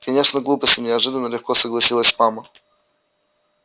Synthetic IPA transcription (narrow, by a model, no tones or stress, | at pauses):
kɐnʲe̞ʂnəɡlˠupəsʲtʲɪnʲɪɐʐɨd̪ənːəlʲɪxkosəɡlˠɐsʲilˠəsʲmamə